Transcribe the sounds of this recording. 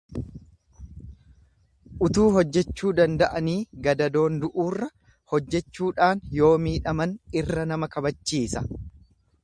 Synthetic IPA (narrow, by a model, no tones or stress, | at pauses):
ʔʊt̪uːɦɔd͡ʒːɛt͡ʃːuːd̪ɐnd̪ɐʔɐniːɡɐd̪ɐd̪o̞ːnd̪ʊʔuːrːɐ | hɔd͡ʒːɛt͡ʃːuːᶑaːnjo̞ːmiːᶑɐmɐnɪrːɐnɐmɐkɐbɐt͡ʃːiːsɐ